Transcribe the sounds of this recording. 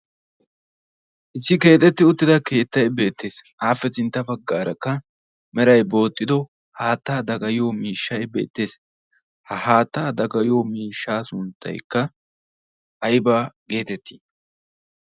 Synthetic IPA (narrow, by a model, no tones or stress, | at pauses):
ʔɪsːɪke̞ːt̪ʼɛt̪ːɪʊt̪ːɪd̪ɐke̞ːt̪ːɐjbe̞ːt̪ʰːe̞ːs | aːfɛsɪnt̪ːɐbɐɡːaːɾɐkːɐ | mɛɾɐjbo̞ːt̪ʼːɪd̪ɔ | haːt̪ːaːd̪ɐɡɐjoːmiːʃːɐjbe̞ːt̪ːe̞ːs | hɐhaːt̪ːaːd̪ɐɡɐjoːmiːʃːaːsʊnt̪ːɐ̰jkːɐ | ɐjbaːɡe̞ːt̪ɛt̪ːiː